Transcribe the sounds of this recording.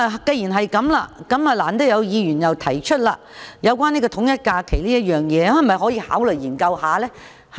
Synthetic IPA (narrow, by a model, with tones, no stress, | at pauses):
kɐ˧jiː˨˩nɦɐ˨jkɐ˨˥mlaː˧kɐ˨˥mɐː˨laː˨˩nt̪o˥wjɐ˨˧wjiː˧jyː˨˩njɐ˨wt̪ʰɐ˨˩jt͡ʃʰɵ˥t̚la̰ː˧ | jɐ˨˧wk̬ʷaː˥niː˥kɔː˧t̪ʰʊ˨˥ŋjɐ˥t̚kaː˧kʰe˨˩jliː˥jɐ˥t̚jœː˨ŋjɛː˨˧ɐ˨˩mɐ˨˩jɦɔː˨˥jiː˧ha̰ː˨˥wlɵ˨jjiː˨˩nkɐ˧whaː˨˧lɛː˥ | h